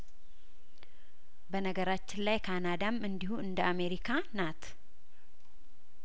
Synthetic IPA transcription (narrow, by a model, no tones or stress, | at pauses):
bənəɡəɾat͡ʃːɪnlajkʰanad̪amɨnd̪ihuɨnd̪əʔame̞ɾikʰanat̪ʰ